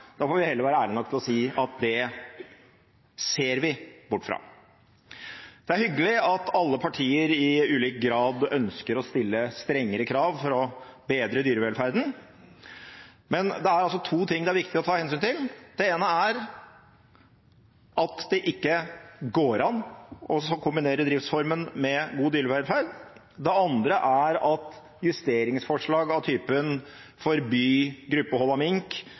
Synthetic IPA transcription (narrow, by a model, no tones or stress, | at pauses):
d̪̥ɑfoːɾʋɪhɛlːəɾʋæːɾəæːlɪnɔk̚ːt̪ɪlɔsiːɑt̪̚d̪ɛ | seːɾʋɪbʊʈːfɾɑ̰ː | d̪̥ɛæɾhʏɡːəlɪɑt̪ʰɑlːəpʰɑʈʰiːəɾɪʉːliːkɡɾɑːd̪œnskəɾɔst̪ɪlːəst̪ɾɛŋːəɾəkʰɾɑːʋfɔɾɔbeːd̪ɾəd̪yːɾəʋɛlfæɾd̪n̩ | mɛnd̪ɛæɾɑls̬ɔt̪ʰuːt̪ʰɪŋːd̪ɛæɾʋɪkt̪ɪɔt̪ʰɑːhɛnsyːnt̪ʰɪld̪̥ɛeːnəæɾ | ʔɑt̪d̪ɛʔɪkːəɡoːɾɑnɔsɔkʰʊmbɪneːɾəd̪ɾɪft̪sfɔɾmənmɛɡuːd̪yːɾəʋɛlfæɾd̪ | d̪ɛɑnd̪ɾəʔæɾɑt̪ | jʉst̪eːɾɪŋsfɔʂɭɑːɡɑʋt̪ʰyːpənfɔɾbyːɡɾʉpːəhɔlɑmɪŋk